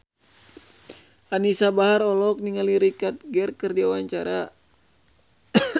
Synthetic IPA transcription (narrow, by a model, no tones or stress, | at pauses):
anisabaɦaɾɔlɔk̚niŋaliɾikat̪̚ɡɛrkɨrdiawaɲt͡ʃaɾa